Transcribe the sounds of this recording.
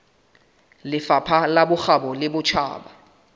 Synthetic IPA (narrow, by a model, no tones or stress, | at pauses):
lɪfapʰalaɓʊxaɓɔlɪbʊt͡ʃʰa̰ːɓa